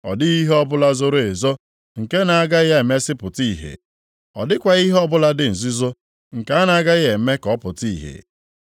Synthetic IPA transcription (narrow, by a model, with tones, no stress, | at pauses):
ɔ̰˨dɪ˦ɣi˦ɦe˦ɔ˦bʊ˦la˦zʊ˦ɾʊ˦˨e˨zo˦ | ŋ̩˨ke˦na˨a˦ɡa˦ɣa˦e˨me˦sɪ˦pʊ˨ti˦˨ɦḛ˨ | ɔ̰˨dɪ˦kʷa˨i˦ɦɔ˦bʊ˦la˦dɪ˨n̩˨zi˦zo˦ | ŋ̩˨ka˦a˦na˨a˦ɡa˦ɣe˨˦me˦kɔ˦pʊ˨ti˦˨ɦḛ˨